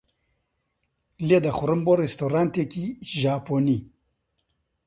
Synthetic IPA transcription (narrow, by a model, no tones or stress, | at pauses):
led̪ɐxʊɾɨmboɾest̪oːɾaːnt̪eːkiʒaːpoːni